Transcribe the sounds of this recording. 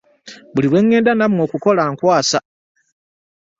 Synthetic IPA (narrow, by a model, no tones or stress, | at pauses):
buliɾwe̞ŋːe̞ːndanamŋo̞ːkuko̞laːŋkwaːsa